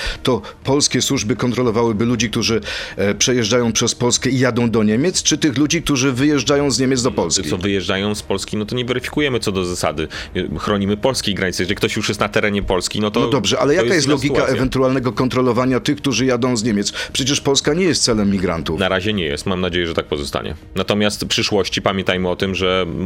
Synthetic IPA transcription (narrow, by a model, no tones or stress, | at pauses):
t̪ɔpɔlskʲɛswuʐbɘkɔnt̪ɾɔlɔvawɘbɘlud͡ʑik̚t̪uʐɘpʂɛjɛʐd͡ʐajɔ̃w̃pʂɛspɔlskɛijad̪ɔ̃w̃d̪ɔɲemʲjɛt̪st͡ʂɘt̪ɘxlud͡ʑik̚t̪uʐɘvɘjɛʐd͡ʐajɔ̃w̃zɲemʲɛt̪zd̪ɔpɔlsʲisɔvɘjɛʐd͡ʐajɔ̃w̃spɔlskʲinɔt̪ɔɲɛvɛɾɘfʲi̥kujɛmɘt̪sɔd̪ɔzasa̰d̪ɘxɾɔɲimɘpɔlskʲeɡɾaɲit̪ɛjʐɛlikt̪ɔɕjuʂjɛst̪nat̪ɛɾɛɲɛpɔlskʲinɔt̪ɔnɔd̪ɔbʐɛʔa̰lɛjakajjɛst̪lɔɡʲikaʔɛvɛnt̪ualnɛɡɔkɔnt̪ɾɔlɔvaɲat̪ɘxk̚t̪uʐɘjad̪ɔ̃w̃zɲemʲjɛt̪spʂɛt͡ɕɛʂpɔlskaɲɛjɛst̪sɛlɛmːʲiɡɾa̰nt̪unaɾaʑɛɲɛjɛ̰st̪mamnad͡ʑejɛʐɛt̪ak̚pɔzɔst̪a̰ɲɛ̰nat̪ɔmʲjast̪pʂɘʂwɔɕt͡ɕipamʲjɛnt̪ajmɘɔt̪ɘmʐɛ